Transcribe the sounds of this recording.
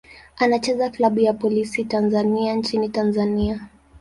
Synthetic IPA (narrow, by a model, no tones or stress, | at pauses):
anat͡ʃɛzaklaɓujapɔlisitanzaniant͡ʃinitanzania